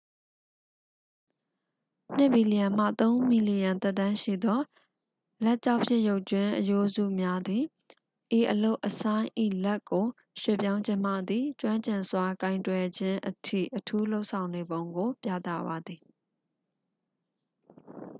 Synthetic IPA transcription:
n̥ɪ˦ʔb̥i˨li˨jã˨m̥a̰˦˨t̪õ˦ʊ̃mi˨li˨jã˨nt̪ɛ˦ʔt̪ã˦ʃḭ˦˨d̪ɔ˦ | lɛ˦ʔt͡ɕa˦ʊʔpʰjɪ̰̃˦˨jo˦ʊʔt͡ɕwɪ̃˦ʔəjo˦zṵ˦˨mja˦d̪i˨ | ʔe˨ʔəlo˦ʊʔəsʰã˦ɪ̃ʔḭ˦˨lɛ˦kːo˨ | ʃwḛ˦˨pjã˦ʊ̃ɲd͡ʑɪ̃˦m̥a̰˦˨d̪ði˨t͡ɕwã˦ɲt͡ɕɪ̃˨nswa˨kã˨ɪ̃ntwɛ˨d͡ʑɪ̃˦ʔətʰḭ˦˨ʔətʰu˦lo˦ʊʔsʰã˨ʊ̃ne˨bõ˦ʊ̃ŋɡo˨pja˦t̪a̰˦˨ba˨d̪ði˨

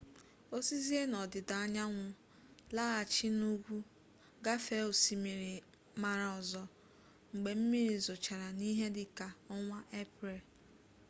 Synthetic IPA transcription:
o˦si˦zi˦e˦nɔ˨dɪ˨da˨a˦ɲa˦ŋʷʊ˨ | la˦a˨t͡ʃi˦nu˦ɡʷu˦ | ɡa˦fe˦o˨si˨me˨ɾi˨ | ma˨ɾa˨ɔ˨zɔ˨ | ŋ͡m̩˨ɡ͡be˨m̩˦mi˦ɾi˨zʊ˨t͡ʃa˨ɾa˨ni˦ɦe˦dɪ˨ka˨ɔ˦ŋʷa˦ʔe˦pɾe˨

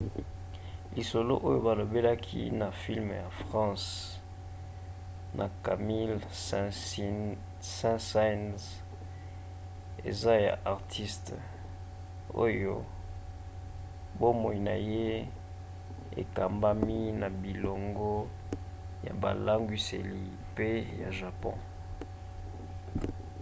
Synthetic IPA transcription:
li˨so˨lo˦ʔo˦jo˦ba˨lo˨be˦la˦kʰḭ˦na˨fi˦lm˨ja˨fʁɑ̃˦s | nʔa˨ka˨mi˦l | sɛ̃˦sa˦nz | ḛ˨za˦ja̰˨ʔa˨ʁtʰi˦st | o̰˦jo˦ | bo˦mo˨i˨na˨je˦ | ḛ˨ka˨mba˦mi˦na˨bi˨lo˨ŋɡo˦ | ja̰˨ba̰˨la˦ŋɡwi˨sḛ˨li˨ | pe˦ja˨ʒa˨pɔ̰̃˦

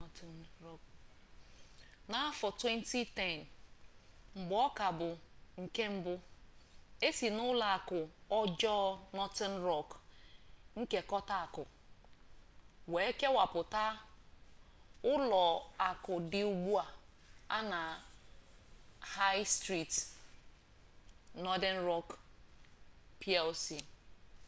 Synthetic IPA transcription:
ɔ˦k | na˨a˦fɔ˨twe˦n˦ti˦tɛ˨n | m̩˨bʊ˨ɔ˦ka˨bʊ˨ŋ̩˨ke˦m̩˦bʊ˦ | e˦si˨nʊ˦la˨a˨kʊ˨ɔ˦d͡ʒɔ˦nɔ˦tɛ˦n̩˦ɾɔ˦k | ŋ̩˦ke˨kɔ˦ta˦˨a˨kʊ˨ | we˨e˦ke˦wa˨pʊ˨ta˦ | ʊ˦lɔ˨a˨kʊ˨dɪ˨u˨ɡ͡bu˦a˨ | a˦na˨ | ha˦jstɾi˦t | nɔ˦dɛ˦n̩˦ɾɔ˦k | pʰi˦ɛ˦lsi˨

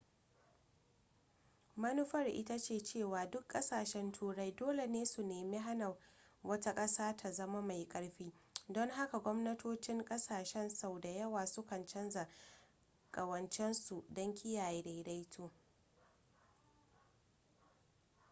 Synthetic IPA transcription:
mɐ˦nu˦ɸɐ˦rʔɪ̰˦ta˦t͡ʃeː˦˨t͡ʃeː˦˨waː˨dʊ˦kʼːɐ˦saː˨ʃɛ˦ntʰuː˦ɽa˦jdoː˦le˨neː˦su˨neː˨me˦ɦa˦na˨wɐ˦ta˦kʼɐ˦saː˦tʰa˨zɐ˦ma˦ma˨jkʼɐ˦ɽɸiː˦dɔ˦ŋɦa˦ka˨ɡʷɔ˦mnɐ˦tʰoː˦t͡ʃɪ˦ŋkʼɐ˦saː˨ʃɛ˦nsa˨wda˨jɐ˦waː˨sʊ˦kɐ˨nt͡ʃɐ˦nza˨ | kʼɐ˨wɐ˨nt͡ʃɛ˦nsu˨dɔ˦ŋkʲʰɪ˦jaː˨jeː˦da˨˦da˦jtʰoː˦

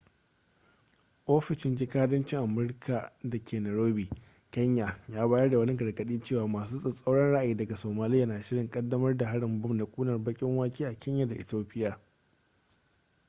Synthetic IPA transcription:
ʔoː˦ɸɪ˨ʃɪ˨nd͡ʒɪ˦kaː˦dɐ˦nt͡ʃɪ˦ŋʔa˨mʊ˦ɾkʰa˨dɐ˨kʲʰeː˨nɐ˨ɾoː˦biː˨ | kʲɐ˦ɲja˨jaː˦baː˦jɛ˦rda˨wɐ˦nɪ˦ɡɐ˨rɡɐ˦ɗiː˦t͡ʃeː˦waː˨˦maː˨s̬uː˦sʼɪ˨sʼɐ˦wɽɐ˦nɽa˦ʔa˨jiː˦dɐ˨ɡa˨soː˨maː˨lɪ˦jːaː˨naː˨ʃɪ˦ɽɪ˨ŋkʼɐ˦dːɐ˦mɐ˦rda˨ɦa˦ɽɪ˨mbʊ˦mna˨kʷʼuː˦nɐ˨rbɐ˦kʲʼɪ˦ŋwaː˦kʲiː˦ʔa˨kʲɛ˦ɲja˨da˨ʔɪ˨toː˦ɸʼɪ˦jaː˨

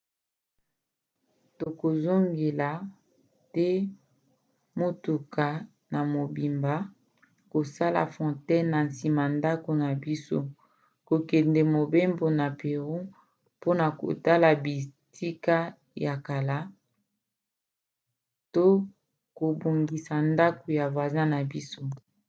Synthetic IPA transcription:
to˨ko˨zo˦ŋɡe˨la˨ | tɛ˦ | mo˦tu˨ka˨ | na˨mo˨bi˨mba˨˦ | ko˨sa˦la̰˨fɔ̃˨tɛ˦nna˨n˨si˨ma˨nda˦ko˨na˨bi˦so˦ | ko˨kɛ˨ndɛ˨mo˨be˦mbo˨na˨pe˨ʁu˦ | po˦na˨ko̰˨ta˦la˨bi˨ti˦ka˦ | ja˨ka˨la˦ | to˦ | ko˨bo˨ŋɡi˨sa˨nda˦ko˨ja˨va˨za˦na˨bi˦so˦

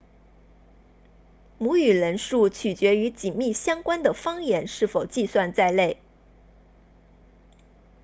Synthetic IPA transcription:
mu˧˥y˨˩ɻə˧˥nʂu˥˩t͡ɕʰy˨˩t͡ɕɥɛ˧˥y˧˥t͡ɕi˨˩nmi˥˩ɕjɑ˥ŋkwa˥nd̪ə˨fɑ˥ŋjɛ˧˥nʂɻ̩˥˩fo˨˩ʊt͡ɕi˥˧swa˥˧nt͡sa˥˧ɪle˥˩ɪ

